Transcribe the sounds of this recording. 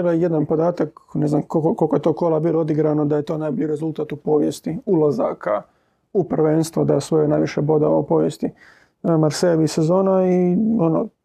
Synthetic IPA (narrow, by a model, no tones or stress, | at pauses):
bajed̪anpo̞d̪aːt̪akneznamkooko̞lkojt̪o̞kolˠabilood̪iɡɾanod̪aje̞t̪o̞najbioɾe̞zulˠt̪at̪upo̞ʋjest̪iulˠaza̰ka | upr̩ʋenst̪ʋod̪ajesʋojonajʋiʃebo̞d̪aopo̞ʋjest̪i | maɾseʋise̞zo̞ːnaiono